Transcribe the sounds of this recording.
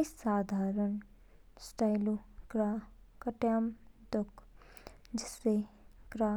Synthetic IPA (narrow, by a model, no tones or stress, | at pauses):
isaːd̪ʱaːɾəɳ | sʈajluɡɾaːkəʈjaːmd̪ok | d͡ʒɪseɡɾa